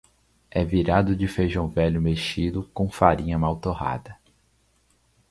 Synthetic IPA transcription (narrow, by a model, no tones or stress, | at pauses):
ɛviɾad̪ʊd͡ʒɪfejʒɐ̃w̃vɛʎʊmeʃid̪ʊkõfaɾĩɲɐmawt̪oha̰d̪ɐ